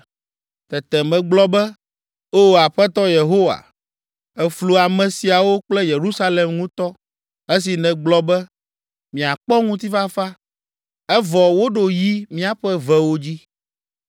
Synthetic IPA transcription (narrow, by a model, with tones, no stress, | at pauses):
t̪ɛ˨t̪ɛ˨mɛ̃˨ɡ͡blɔ˦bɛ˦ | o˦˨a˨ɸɛ˦t̪ɔ˦je˨ɦo˦wa̰˨ | ɛ˨flu˨a˨mɛ̃˨si˨a˨wo˦k͡plɛ˦je˨ɾu˦sa˦le˨mŋũ˦t̪ɔ˦ | e˦s̬i˨nɛ̃˨ɡ͡blɔ˦bɛ˦ | mĩ˨a˨k͡pɔ˦ŋũ˦t̪̬i˦fa˦fa˦ | ɛ˦vɔ˨wo˦ɖo˨ji˦mĩ˦a˨ɸɛ˦vɛ˦wo˦d͡ʑi˦